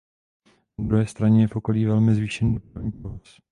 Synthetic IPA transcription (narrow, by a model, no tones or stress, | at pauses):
ad̪ɾuɦɛːst̪ɾaɲɛjɛfʔoko̞liːvɛlmɪzviːʃɛniːdopɾavɲiːpɾovas